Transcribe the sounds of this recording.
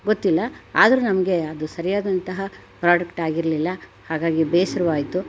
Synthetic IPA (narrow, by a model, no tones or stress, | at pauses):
ɡot̪ːilːɐa̰ːd̪ɐɾunɐmɐɡe̞ɐd̪usɐɾijaːd̪ɐnt̪ɐɦɐ | pɾaːɖɐkʈaːɡiɾɐlilːɐhaːɡaːɡibeːsɐɾɐʋaːjit̪u